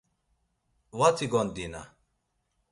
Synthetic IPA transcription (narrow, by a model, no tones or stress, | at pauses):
wat͡sʰiɡɔnd̪ina̰